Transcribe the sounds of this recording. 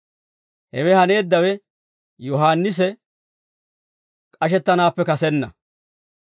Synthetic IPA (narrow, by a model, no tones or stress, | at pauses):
hɛ̰wɛhɐne̞ːd̪ːɐwɛ | jɔɦaːnːɪs̬ɛ | kʼɐʃɛt̪ːɐnaːpːɛkɐsɛnːɐ̰